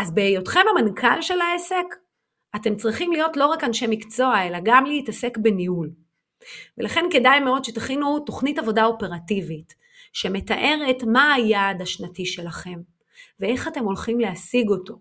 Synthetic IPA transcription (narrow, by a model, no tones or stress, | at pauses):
azbejo̞tχe̞mamankʰalʃe̞lae̞se̞k | ate̞mt͡sʁiχimlijo̞tlo̞ʁakanʃemikt͡so̞ae̞laɡamlehitase̞kbe̞niul | ve̞laχe̞nke̞dajme̞o̞d̪ʃe̞taχinuto̞χnitavo̞dao̞pe̞ʁativit | ʃe̞me̞taʔe̞ʁetmaːjadaʃnatiʃe̞laχe̞m | vee̞χate̞mo̞lχimleasiɡo̞to̞